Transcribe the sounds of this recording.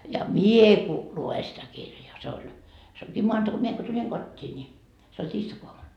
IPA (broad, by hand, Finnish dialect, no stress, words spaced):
jɑ mie ku lue sitæ kirjɑː se olʲ se oŋkiː moɑntɑ mie ko tulʲiŋ kotʲːiː nʲi se olʲ tiːstɑkoɑmun